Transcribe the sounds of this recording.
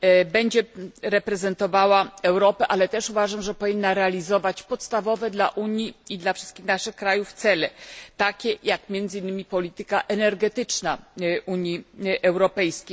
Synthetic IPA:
bɛɲd͡ʑɛɾɛpɾɛzɛnt̪ɔvawaɛwɾɔpɛʔalɛt̪ɛʂuvaʐamʐɛpɔvʲinːaɾɛalʲizɔvat͡ɕpɔt̪st̪avɔvɛd̪la̰ʔuɲjiid̪lafʂɘst̪̚kʲixnaʂɘxkɾajufːt̪sɛlɛt̪akʲɛjakmʲjɛnd̪zɘinːɘmʲipɔlʲit̪ɘkaʔɛnɛɾɡɛt̪ɘt͡ʂnaʔuɲjiʔɛwɾɔpɛjskʲej

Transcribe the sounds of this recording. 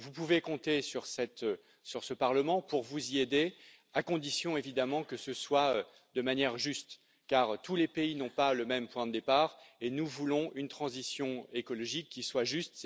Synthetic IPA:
vupuvekɔ̃t̪esyʁsɛt̪ø | syʁsəpaʁləmɑ̃puʁvuzied̪e | akɔ̃d̪isjɔ̃evid̪amɑ̃kəsəswaø | d̪əmanjɛʁʒyst̪ | kaʁt̪ʰulepeinɔ̃paləmɛmpwɛ̃d̪əd̪epaːʁenuvulɔ̃ynt̪χɑ̃zisjɔ̃ekɔlɔʒikːiswaʒyst̪

